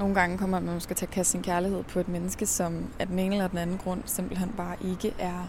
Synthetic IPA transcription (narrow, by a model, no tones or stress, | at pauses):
no̝ːn̩ɡ̥ɑ̈ŋəkʰɒ̽m̰ɐmæusɡ̥æt͡sʰe̝ɐkʰæsinkʰæɐlihe̝ð̰ˠpʰɒ̽e̝d̥menəsɡ̥əsɒ̽mæd̥ene̝ːnəlɐd̥en̩ænn̩ɡ̥ʁɔ̽n̰semb̥l̩hen̰b̥ɑ̈ːʔe̝ɡ̥əʔæɐ